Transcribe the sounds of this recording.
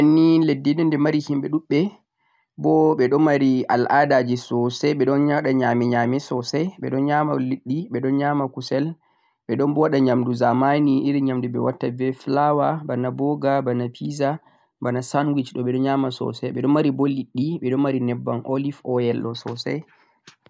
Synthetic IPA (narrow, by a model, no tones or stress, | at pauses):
ʔanːiledːinɛndɛmaɾihimɓɛɗuɓːɛ | bɔɓɛɗɔmaɾiʔa̰lʔadad͡ʒisɔsɛɓɛɗɔnɲaɗaɲamɛɲamɛsɔsɛjɓɛ̰ɗɔnɲamaliɗːiɓɛɗɔnɲamakusɛl | ɓɛɗɔnbɔwaɗaɲamduzamaniiɾiɲamduɓɛwatːavɛflawabanabɔɡabanapʰiza | banasanwit͡ʃɗɔɓɛɗɔɲamasɔ̰sɛɓɛɗɔmːaɾibɔliɗːiɓɛɗɔmaɾinɛbːanʔolifɔjɛlɔsɔsɛ̰j